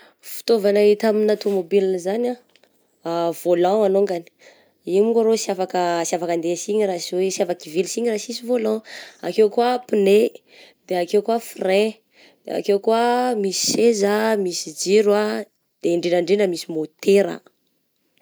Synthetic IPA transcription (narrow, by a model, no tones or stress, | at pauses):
fi̥t̪ovanaɦit̪aminat̪umobilinəzana | av̥olãwanoŋɡani̥ | imiɡaɾosiafakəsjafakand̪esiɲirasiwesiafakivilsiɲirasisivolɔ̃akewkuapine | d̪eakewkuafre | d̪̥ḛa̰kewkuamisi̥sezamisid͡ʒiɾa | d̪̥eɳɖ͡ʐenaɳɖ͡ʐenəmisimot̪eɾa̰